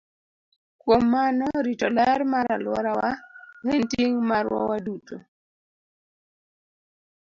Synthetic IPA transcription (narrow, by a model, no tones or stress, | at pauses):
kwomːanɔɾitɔlɛrmaɾalwɔ̰ɾawahentiŋmaɾwɔ̰waduto